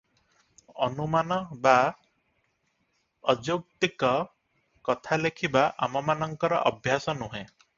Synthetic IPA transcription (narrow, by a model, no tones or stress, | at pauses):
ɔnumanɔba | ɔd͡ʒok̚t̪ikɔ | kɔt̪ʰalekʰibaʔa̰mɔmanɔŋkɔɾɔ̰ʔɔbʱjasɔnuɦẽ